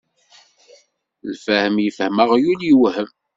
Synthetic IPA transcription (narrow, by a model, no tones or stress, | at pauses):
lfæhəmjəfhəməʁjuliwhəm